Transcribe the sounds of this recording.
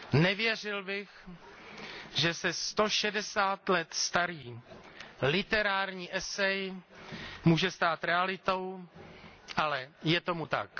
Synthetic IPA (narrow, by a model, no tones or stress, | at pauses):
nɛvjɛr̝ɪlbɪx | ʒɛsɛst̪o̞ʃɛdɛsaːt̪lɛt̪st̪aɾiː | lɪt̪ɛɾaːɾɲiːʔɛsɛj | muːʒɛst̪aːt̪ɾɛalɪt̪o̞w | ʔalɛjɛt̪o̞mut̪a̰k